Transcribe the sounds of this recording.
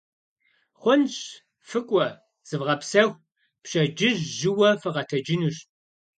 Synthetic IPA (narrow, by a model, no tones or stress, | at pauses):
χʷɔnɕ | fɨkʷʼɔ | z̥ɨvʁɐpsɐxʷ | pɕʼɐd͡ʒɪʑʒɪwɐfɨʁɐtʰɐd͡ʒɪnuɕ